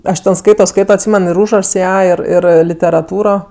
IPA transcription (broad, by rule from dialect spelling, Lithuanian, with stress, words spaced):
ˈɐʃ ˈtʲɛn ˈskɐɪtoː ˈskɐɪtoː ɐtʲˈsʲiːmʲɛn ɪr ˈuːʒrɐʃs ˈjæː ˈɪr ˈɪr lʲɪtʲɛrɐˈtuːroː